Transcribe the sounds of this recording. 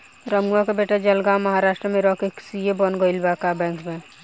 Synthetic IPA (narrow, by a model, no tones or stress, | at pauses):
ɾəmɡuakebeːʈed͡ʒəlɡawməɦaɾaːʃʈɾəmẽɾɔkeksijebɔnɡoɪlbakabɛ̃ːŋkmẽ